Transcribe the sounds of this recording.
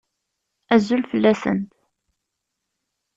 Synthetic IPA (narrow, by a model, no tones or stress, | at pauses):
æzːulfəlːæsə̰nt̪